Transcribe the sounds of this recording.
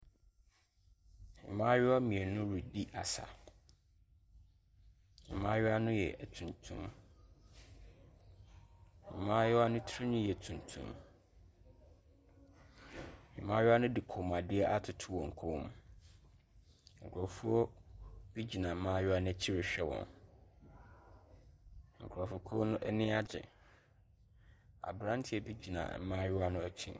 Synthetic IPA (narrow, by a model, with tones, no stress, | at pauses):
mɪ̰̃˨mãː˦ɥɪ˦a˦mĩ˨e˨nʊ̃˦ɾu˨di˦ʔa̰˨sa̰˨ | mɪ̰̃˨mã˦jɪ˦a˦nʊ̃˦jɛ̰˨ʔtʰũ˨ntʰṵ̃˦m | mɪ̰̃˨mãː˦jɛ˦a˦nʊ̃˦tʰɾɪ˦nʊ̃˦jɛ˨tʰũ˨n˨tʰṵ̃˦m | mɪ̃˨mãː˦jʊ˦a˦nʊ̃˦di˨kʰʊ˨m˨a˨dɪ˦ɛ˦ʔa˦tʰʊ˨tʰʊ˦wɔ̃˨ŋ̩˨kʰo˦m | ŋ̩˨kʰɔ˨fu˦ɔ˦b̥i˦d͡ʑi˨nã˨m̩˦mãː˦jʊ˦a˦nɪ̃˦ɛ˨t͡ɕʰi˦ɾɪ˨ɕᶣɛ˦wɔ̰̃˨n | ŋ̩˨kʰɾɔ˨fʊ˨kʰo˦nʊ̃˦ʔɛ˦nɪ̃˦a˦d͡ʑɪ̰˨ | a̰˨bɾã˦ntʰɪ˦ɛ˨bi˦d͡ʑi˨nã̰˨m̩˦mã˦jʊ˦a˦nʊ̃˦æ˨t͡ɕʰḭ̃˦